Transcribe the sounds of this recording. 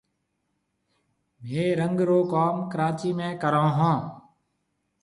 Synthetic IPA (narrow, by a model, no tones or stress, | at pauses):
mẽːɾəŋɡɾoːkaːmkəɾaːt͡ʃiːmẽːkəɾãːɦãː